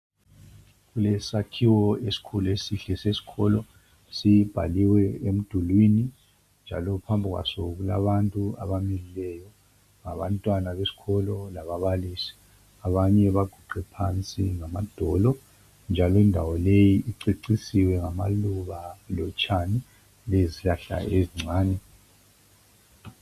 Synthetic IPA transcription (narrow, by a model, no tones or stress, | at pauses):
ɣulɛsakʰiwɔesi̥kʰuluesiɬɛsesi̥kʰɔlɔ | sib̥ʱa̰liwɛem̩d̥ʱulwini | nd͡ʒʱa̰lɔpʰambʱiɣwa̰sɔɣula̰βantʼua̰βamililɛjɔ | ŋaβantʼwanaβesi̥kʰɔlɔlaβaβalisi̥ | aβaɲɛβaɡ̥ʱuɡ͡ǃʱɛpʰant͡sʼiŋamad̥ʱɔlɔ | nd͡ʒʱalɔindʱawɔlejiʔiǀiǀisiwɛŋamaluβalɔt͡ʃʼani | leziɬaɬa̰ʔeziŋ͡ǀʱaːnɛ